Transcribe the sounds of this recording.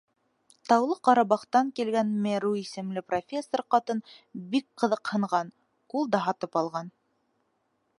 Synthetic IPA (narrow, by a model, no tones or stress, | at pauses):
t̪ɑwlˠɤqɑɾɑβɑχt̪ɑŋkilɡænmeɾuisɘ̆mlɘprofʲesːorqɑt̪ɤnbik̚qɤ̆ðɤqhɤ̆ɴʁɑn | kulˠd̪ɑɦɑt̪ɤpɑlˠʁɑn